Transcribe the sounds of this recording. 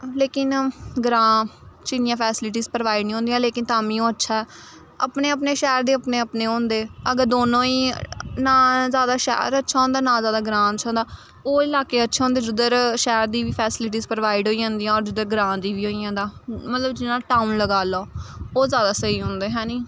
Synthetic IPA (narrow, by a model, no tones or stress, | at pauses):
leːkɪnɡɾãːt͡ʃinɪjãːpʰɛːsɪlʈ̬iːzpɾəʋaːɪɖniːɦõnd̪ijãːleːkɪnt̪aːmĩːõːətːʃʰaːɛː | ə̰pneːəpneːʃɛːɾd̪eːəpneːəpneːɦõːnd̪eːəɡəɾd̪oːnõːiːnaːzjaːd̪aːʃɛ̰ːɾətːʃʰaːɦõːnd̪aːnãːzjaːd̪aːɡɾãːnt͡ʃʰõːnd̪aː | oːɪlaːkeːətːʃʰaːɦõːnd̪eːd͡ʒʊd̪əɾʃɛːɾd̪iːʋiːpʰɛːsɪlɪʈ̬iːzpɾəʋaːɪɖɦoːiːãːnd̪ijãːɔːɾd͡ʒʊd̪əɾɡɾãːd̪iːʋiːɦoːiːãːd̪aːmət̪ləbd͡ʒɪnãːʈaːunləɡaːloːoːzjaːd̪aːsəiːɦõːnd̪eːɦɛːniː